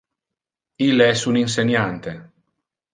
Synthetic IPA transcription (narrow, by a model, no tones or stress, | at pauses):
ilɛsunins̬enjant̪e